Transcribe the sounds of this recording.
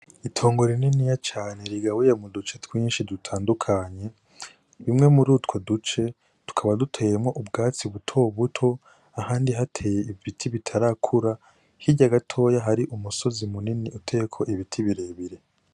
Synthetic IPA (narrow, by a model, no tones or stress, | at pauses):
itʰo̞ːŋɡo̞ɾininijat͡ʃaːneɾiɡawojemudut͡ʃe̞twiːnʃidutʰaːndukʰaɲe̞ | βimŋe̞muɾutwo̞dut͡ʃe̞ | tu̥kʰaβadutʰejemŋo̞ʔubɡaːt͡siβutʰo̞βutʰo̞ | ahaːndiɦatʰe̞ːje̞ivitʰiβitʰaɾakʰuɾa | hiɟaɡatʰo̞ːjaɦaɾiʔumuso̞zimuniniutʰe̞jekʰo̞ʔiβitʰiβiɾe̞βiɾe̞